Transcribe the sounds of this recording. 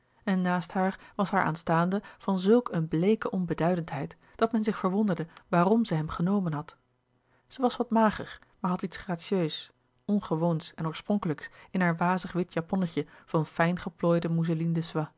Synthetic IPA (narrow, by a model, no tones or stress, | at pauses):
ɛnːaːstɦaːɹʋɑsɦaːɹʔa̰ːnstaːndəv̥ɑnzɵlˠkənblejkəʔɔnbədœɥdəntɦɛjt | d̥ɑtmɛnzɪχfəɹʋɔndəɹdəʋaːrɔmzɛjɦɛmχənowmənɦɑt | z̥əʋɑsʋɑtmaːχə̰χ | maːɹɦɑtitsχraːtsiøɥs | ɔnχəʋownsɛnɔːɹsprɔŋkələksɪnɦaːɹʋaːzəχʋɪtʰjapɔnəcəv̥ɑnfɛjnχəploːjdəmuzolindəsʋa